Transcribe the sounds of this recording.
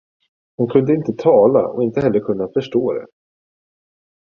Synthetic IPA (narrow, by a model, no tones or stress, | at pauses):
hʊnkʰɵnd̪əɪnt̪ət̪ʰɑːla̰ɔ̰ɪnt̪əhɛlːəɾkʰɵnːafœʂʈoːd̪ɛ̰